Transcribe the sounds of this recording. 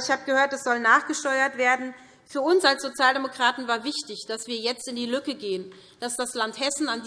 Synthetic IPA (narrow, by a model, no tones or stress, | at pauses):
ɪçhaːbəɡəhøːɐtdasz̥ɔlnaːχɡ̥əʃtɔʏɐtv̥eːɐdn̩ | fyːɐʊnsʔalsz̥ot͡sjaːldemokʁ̥aːtn̩vaːɐvɪçtɪçd̥asv̥iːɐjɛt͡stɪndiːlʏkəɡeːən | d̥asd̥aslanthɛsn̩and